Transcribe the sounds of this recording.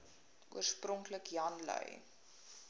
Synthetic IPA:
ʔuərsprɔŋkləkjɐnlœ̰j

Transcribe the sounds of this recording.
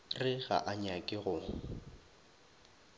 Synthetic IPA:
rɪɣa̰ʔaɲakʼɪɣʊ

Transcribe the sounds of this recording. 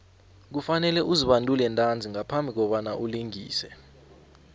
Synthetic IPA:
k̬ufanɛlɛʔuziɓantʼulɛntʼand͡zʱiŋapʰambʱik̬ɔɓanaʔuliŋḭːsɛ

